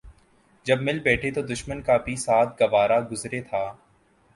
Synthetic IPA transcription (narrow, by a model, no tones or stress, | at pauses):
d͡ʒɐbmɪlbɛːʈʰet̪od̪ʊʃmənkapisaːt̪̚ʰɡɐʋaːɾaɡʊzɾet̪ʰaː